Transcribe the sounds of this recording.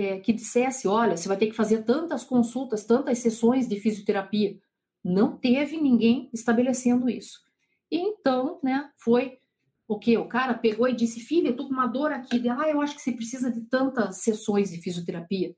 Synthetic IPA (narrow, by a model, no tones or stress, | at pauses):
ɛkɪd͡ʒisɛsɪɔʎɐsɪvajt̪eɾkɪ̥fazeɾt̪ɐ̃nt̪ɐskõsut̪ɐst̪ɐ̃nt̪ɐssesõj̃zd̪ɪfiziot̪eɾapiɐ | nɐ̃w̃t̪evɪnĩŋɡẽj̃ɪst̪abelesẽnd̪ʊḭsʊ̥ | ɪẽnt̪ɐ̃w̃nɛfoj | okeʊkaɾɐpeɡoɪd͡ʒisɪfilʊet̪okõũmɐd̪oɾakʰid̪ɪaewaʃʊ̥kɪ̥sepɾesizɐd̪ɪt̪ɐ̃nt̪ɐsːesõj̃zd̪ɪfiziot̪eɾapiɐ